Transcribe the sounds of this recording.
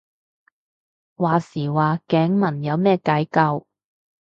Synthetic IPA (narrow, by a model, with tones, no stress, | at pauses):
waː˨siː˨˩waː˨˩kɛː˨˥ŋmɐ˨˩njɐ˨˧wmɛː˥˧ka˨˥jkɐ˧w